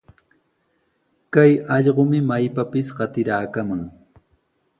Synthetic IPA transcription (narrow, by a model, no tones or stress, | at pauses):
kajɑʎɢomɪmajpapɪsɢɑt̪ɪɾaːkamaŋ